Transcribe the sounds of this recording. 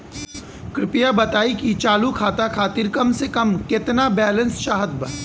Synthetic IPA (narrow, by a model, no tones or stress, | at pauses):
kɾɪpɪjabɐt̪aːikit͡ʃaːlukʰaːt̪akʰaːt̪ɪɾkɐmsekɐmkɪt̪nabɛːlə̃nsʃaːɦəd̪̚bə̰ɾ